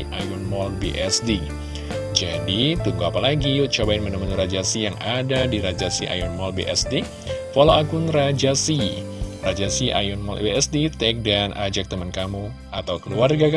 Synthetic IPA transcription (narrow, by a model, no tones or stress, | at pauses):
ʔajunmɔlbḛʔɛsdi | d͡ʒadit̪uŋɡuapalaɡiut͡ʃabaɪnmənəmənuɾad͡ʒasijaŋadadiɾad͡ʒasiʔa̰junmɔlbḛʔɛ̰sde | foloaɡunrad͡ʒasirad͡ʒasiʔa̰junmɔ̰lʔbeɛsdit̪ɛk̚danʔad͡ʒak̚t̪əmankamu | at̪awkəluarɡaka